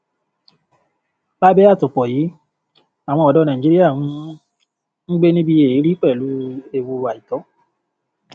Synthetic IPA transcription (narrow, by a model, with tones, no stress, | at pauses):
ba˦bɛ˦a˦˨to˨k͡pɔ˨jiː˨˦ | a˨w̃ɔ̃˧ɔ˨dɔ˨˧nã˨ĩ˨d͡ʒi˦i˦a˦˨wũ˦ | n̩˦ɡ͡be˦nĩ˦bi˧e˨i˨˦ɾi˦k͡pɛ˦˨lu˨˦e˧wu˧a˨i˨tɔ˨˦